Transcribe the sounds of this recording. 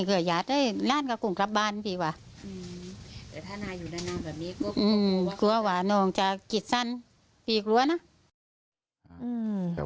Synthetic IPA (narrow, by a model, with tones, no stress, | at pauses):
kʰɯ˧˩jaː˨˦t̪̚da˧˥˨laː˧˥˨nka˧˩ku˨˩ŋkla˧p̚baː˧˨npʰiː˧˩waː˧˦ | ʔɯː˧˩t̪ɛ˨˧˩t̪ʰaː˧˩naː˧juː˨˩na˧˩jnaː˧˩˨bɛː˨˩p̚niː˧˥˨kɔ˧ʔɯː˩ku˧ɐ˧waː˧nɔː˧˩ŋt͡ɕa˧ki˧˩t̪̚sa˧˥˨n | pʰiː˧klu˧˨ɐna˧˥˨ | ʔɯː˧˩